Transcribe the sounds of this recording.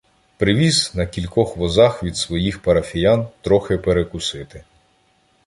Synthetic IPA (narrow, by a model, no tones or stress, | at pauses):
pɾɪʋʲiznɐkʲilʲkɔxʋɔzɑxʋʲid̪sʋɔjixpɐɾɐfʲijant̪ɾɔxepeɾekʊsɪt̪ɪ